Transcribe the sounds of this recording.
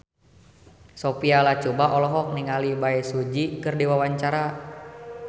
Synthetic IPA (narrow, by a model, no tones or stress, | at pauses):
sɔpialat͡ʃɔbaʔɔlɔɦɔk̚niŋalibaɛsud͡ʒikɨrdiwawaɲt͡ʃaɾa